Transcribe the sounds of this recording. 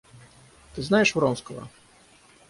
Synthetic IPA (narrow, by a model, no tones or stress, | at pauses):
t̪ɨznajɛʂvɾɔmskəvɐ̰